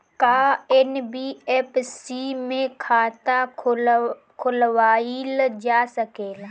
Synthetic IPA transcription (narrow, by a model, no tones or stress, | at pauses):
kaːɪnbiːɛpʰsimẽkʰaːt̪a | kʰʊlwaːild͡ʒaːsəkeːl